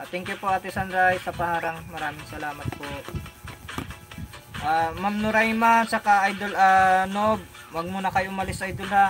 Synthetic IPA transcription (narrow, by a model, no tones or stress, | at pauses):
at̪ɛŋkjʊpoʔat̪ɛsɐnɾajsɐpɐhaːɾɐŋmɐɾaːmɪŋsɐlaːmɐt̪̚poʔ | ʔaːmamnʊɾajmansɐkaʔajd̪olanob̚ | wɐɡ̚munɐkɐjʔʊmɐlɪsʔajd̪olha